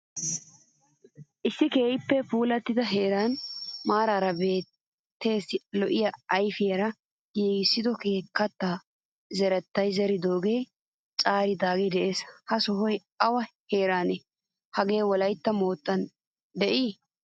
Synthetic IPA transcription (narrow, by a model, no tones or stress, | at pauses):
ʔɪsːɪkeːjɪpːɛfuːlɐt̪ːɪd̪ɐɦeːɾaːnmaːɾaːɾɐbe̞ːt̪ː | e̞ːslɔʔɪjɐɐjfɪjɐɾɐ | jeːɡɪsːɪd̪ɔke̞ːkːɐt̪ːaː | zɛɾɛt̪ːɐjzɛɾɪd̪o̞ːɡe̞ː | t͡ʃʼaːɾɪd̪aːɡed̪ɛʔe̞ːshɐsɔɦɔj | ɐwɐhe̞ːɾaːne | hɐɡe̞ːwɔlɐjt̪ːɐmo̞ːt̪ʼːɐn | d̪ɛʔiː